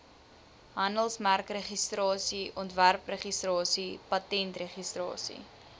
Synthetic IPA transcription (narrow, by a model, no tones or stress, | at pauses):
ɦɐndəlˠsmærkreχistrɑːsiʔɔntværpreχistrɑːsipɐtɛntreχistrɑ̰ːsḭ